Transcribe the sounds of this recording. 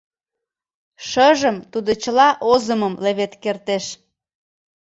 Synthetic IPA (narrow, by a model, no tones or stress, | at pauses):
ʃəʒəmt̪ud̪ot͡ɕəlɑʔozəməmleβet̪kert̪eʃ